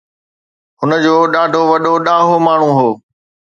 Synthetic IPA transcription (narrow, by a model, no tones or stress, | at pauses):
ɦʊnə̆d͡ʑoːɗaːɖʱoʋɐɗoɗaːɦomaːɳ̤ũɦoː